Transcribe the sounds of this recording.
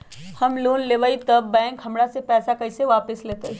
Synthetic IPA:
hɐmloːnleʋait̪ɐbːɛ̃ːŋkɦɐmɽasepɛːsakɐiseʋaːpəsleːt̪eɦ

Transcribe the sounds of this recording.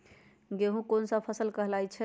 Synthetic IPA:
ɡeɦũkonsə̃pʰəsəlkəɦlajt͡ʃʰɛ

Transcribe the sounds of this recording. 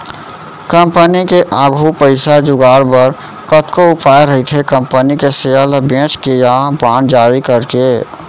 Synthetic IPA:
kə̃mpənikeʔaːɡʱupəɪsad͡ʒʊɡaːɾbəɾ | kət̪koʊpaːjeɾəɦit̪ʰekə̃mpənikeseəlbẽːt͡ʃkejabãːnd͡ʒaːɾikəɾke

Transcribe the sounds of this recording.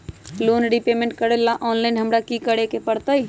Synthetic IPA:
lonɖipemẽɳʈ̚kəɾelːaʔɔnlajnɦəmɾakikəɽekepəɽt̪əj

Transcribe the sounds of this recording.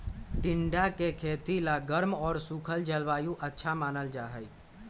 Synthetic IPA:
ɖɪɳɖakekʰeːt̪ilaɡəɾmɔːɾsukʰəld͡ʒəlʋaːjũʔətːʃʰamaːnəld͡ʒaːɦə

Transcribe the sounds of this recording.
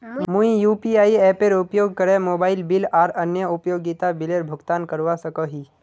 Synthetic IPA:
mũĩjuːpiaːiɛːpeɾʊpjoːɡ̚kəɾemoːbaːɪlbɪlaːɾɐnjəʊpjoːɡit̪abɪleɾbʱʊɡt̪aːnkəɾʋasəkəɦiː

